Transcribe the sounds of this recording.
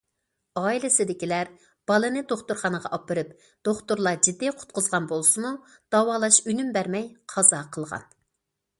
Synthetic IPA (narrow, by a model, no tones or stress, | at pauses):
ɑːilɪsɪd̪ɪkʲilæɾ | b̥ɑlˠɨnɨd̪oχt̪uɾχɑnəʁɑ̰ʔɑpɨɾɨp | d̪̥oχt̪uɾlˠɑd͡ʒid̪ːiqʰʊ̥t̪̚qʊzʁɑnbolˠsɨmu | d̪̥ɑwɑːlˠɑʃynymbæɾmɛjqʰɑzɑqʰəlˠʁɑ̰n